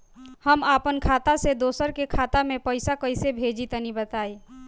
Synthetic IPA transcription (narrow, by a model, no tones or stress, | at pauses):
həmaːpənkʰaːt̪ased̪oːsəɾkekʰaːt̪amẽpəɪsakəɪsebʱed͡ʒit̪ənibət̪aːi